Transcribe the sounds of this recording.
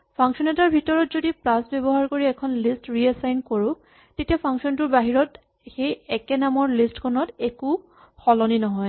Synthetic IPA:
pʰaŋksɔnɛtaɹbʱitɔɹɔtzodipɹasbebɔɦaɹkoɹiɛkʰɔnlistɹiɛsajnkoɹʊ̃ | tetiapʰaŋksɔntʊɹbaɦiɹɔt | xejɛkɛnamɔɹlistkʰɔnɔteku | xɔlɔninɔɦɔj

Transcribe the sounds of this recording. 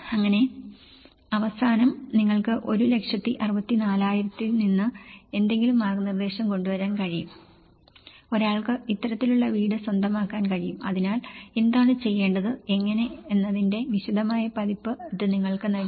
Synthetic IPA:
ɐŋːɐne̞ | ɐʋɐsaːnɐmniŋːɐɭkɨʔo̞ɾule̞kʂjɐt̪ːiʔɐrɨbɐt̪ːinaːlaːjiɾɐt̪ːilninːɨe̞nd̪e̞ŋɡilumːaːrɡɐnird̪e̞ːɕɐmko̞ɳɖuʋɐɾaːnkɐɻijum | o̞ɾaːɭkɨit̪ːɐɾɐt̪ːiluɭːɐʋiːɽɨswɐnd̪ʱɐmaːkːaːnkɐɻijumɐðinaːle̞nd̪aːɳɨt͡ɕe̞jːe̞ːɳɖɐðɨe̞ŋːɐne̞ːnːɐðinde̞niɕid̪ɐmaːjɐpɐðipːɨiðɨniŋːɐɭkɨnɐ

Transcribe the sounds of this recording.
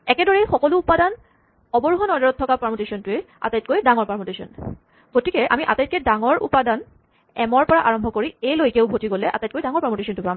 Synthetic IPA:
ɛkɛdɔɹɛjxɔkɔlʊːpadan | ɔbɔɹuɦɔnɔɹdɔɹɔtʰːɔkapaɹmotesɔntʊe | a̰tajt̚kojdaŋɔɹpaɹmotesɔ̰n | ɡ̥otikɛʔamiʔa̰tajt̚kɛdaŋɔɹʔṵpadan | ɛmɔɹpɔɹaʔaɹɔmbʱɔkoɹiejlojkeʊbʱotiɡolɛʔa̰tajt̚kojdaŋɔɹpaɹmotesɔntʊpam

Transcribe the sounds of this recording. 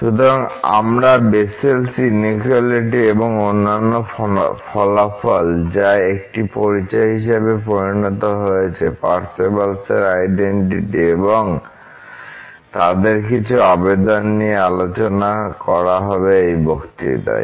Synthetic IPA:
ʃut̪oɾaŋa̰mɾabeselsinikaliʈieboŋonːanːofʰɔlafɔld͡ʑaek̚ʈipoɾit͡ɕɔeɦiʃebepoɾinɔt̪oɦojet͡ɕʰepa̰ɾsebalseɾajɖeɳʈiʈieboŋ | t̪ad̪eɾkit͡ɕʰuabed̪onːiealot͡ɕonakɔɾaɦɔbeejbokt̪ḭt̪a̰e

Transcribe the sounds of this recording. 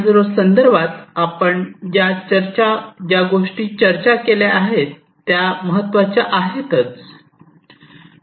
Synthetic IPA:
d͡zɾosənd̪əɾbʱat̪apəɳd͡ʑat͡ɕəɾt͡ɕad͡ʑjaɡoʂʈiːt͡ɕəɾt͡ɕakeljaʔaɦet̪ːjaməɦət̪ːʋat͡ɕjaʔaɦet̪ət͡s

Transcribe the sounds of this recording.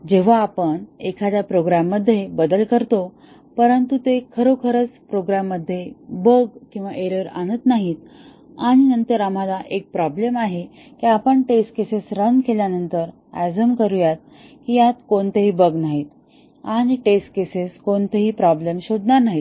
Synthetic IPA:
d͡ʑeʋ̤aːpəɳekʰad̪japɾoɡɾamːəd̪ʱːjebəd̪əlkəɾt̪o | pəɾənt̪ut̪ekʰəɾokʰəɾət͡spɾoɡɾamːəd̪ʱːjebəɡkĩw̃ʋaʔeɾəɾa̰ɽ̃ət̪naɦit̪ | aɽ̃inənt̪əɾam̤alaʔek̚pɾɔblemaɦe | kiapəɳʈesʈ̚kesesɾənkeljanənt̪əɾ | æzəmkəɾujat̪̚ | kijat̪koɳt̪eɦiːbəɡnaɦit̪ | aɽ̃iʈesʈ̚keseskoɳt̪eɦiːpɾɔblemɕoɽɳaɾnaɦit̪

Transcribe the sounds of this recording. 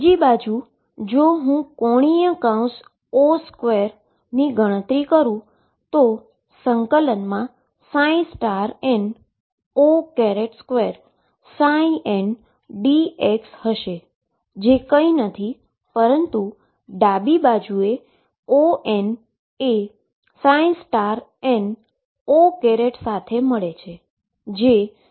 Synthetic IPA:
d͡ʒibad͡ʒu | d͡ʒoɦũkɔɽ̃ijə̃kãũs | oskʋeɾ | niɡʱəɽ̃ə̃t̪ɾikəɾũ | t̪o | səŋkələnmã | sãĩsʈaɾen | okɛɾeʈskʋeɾ | sãiʔen | ɖiekshəʃe | d͡ʒekəinət̪ʰi | pəɾənt̪u | ɖabibad͡ʒue | oʔen | e | sãĩsʈaɾen | okɛɾeʈsat̪ʰeməɭet͡ʃʰe | d͡ʒe

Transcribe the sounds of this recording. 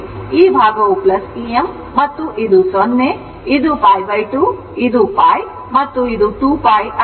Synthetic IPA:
iːbʱaːɡɐʋuplɐsiemː | ɐt̪ːuʔid̪usɔnːe | id̪upaːjʋɐjʈuː | id̪upaːj | mɐt̪ːuid̪uʈuːpaːjɐ

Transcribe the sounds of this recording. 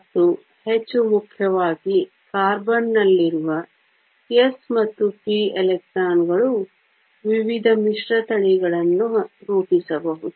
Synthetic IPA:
t̪ːu | het͡ʃːumukʰjɐʋaːɡi | kaːɾbɐnːɐlːiɾuʋɐ | esmɐt̪ːupielek̚saːnɡɐɭu | ʋiʋid̪ʱɐmiʂɾɐt̪ɐɭiɡɐɭɐnːuɾuːpisɐbɐɦud̪u

